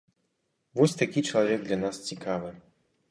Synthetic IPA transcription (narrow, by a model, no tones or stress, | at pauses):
vɔsʲt̪akʲit͡ʂɐlˠavʲɛɡ̚d̪lʲanast͡sʲikavɨ